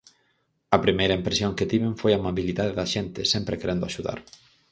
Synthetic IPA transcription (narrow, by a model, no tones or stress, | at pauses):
ɐpɾimejɾɐĩmpɾesjoŋkɪt̪iβeɱfojamaβiliðaðeðɐʃent̪ɪsempɾekeɾend̪ʊaʃuða̰ɾ